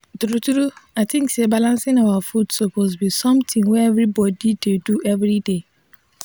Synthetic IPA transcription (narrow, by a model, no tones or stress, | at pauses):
tɾutɾuaɪtʰĩŋksebalãnsɪ̃nawafudsoposbisɔ̃mtʰĩŋwɛɛvɾibɔdideduʔɛvɾide